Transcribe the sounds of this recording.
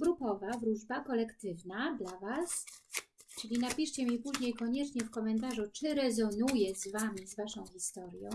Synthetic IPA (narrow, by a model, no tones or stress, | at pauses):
bɾupɔvavɾuʐbakɔlɛkt̪ɘvnad̪lavas | t͡ʂɘlʲinapʲiʂt͡ɕɛmʲipuʑɲejkɔɲɛt͡ʂɲɛfkɔmɛnt̪̬aʐut͡ʂɘɾɛzɔnujɛzvamʲizvaʂɔ̃w̃xʲçʲist̪ɔɾjɔ̰̃